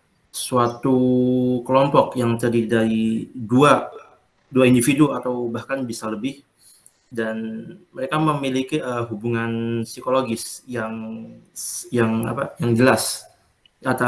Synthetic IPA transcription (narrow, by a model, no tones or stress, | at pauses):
suat̪ukəlɔmpɔkjaŋt̪adidaɾidua | duaindifiduat̪awbahkanbisaləbɪh | danməɾekaməmilikiʔəɦubuŋansikoloɡɪsjaŋ | jaŋa̰pajaŋd͡ʒəlas | at̪a